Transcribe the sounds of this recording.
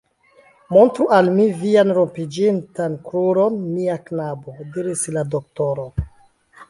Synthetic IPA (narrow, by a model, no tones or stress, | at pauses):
mo̞ntɾuʔalmivianɾompid͡ʒintankɾuɾo̞nmiaknabo̞diɾislado̞k̚to̞ɾo̞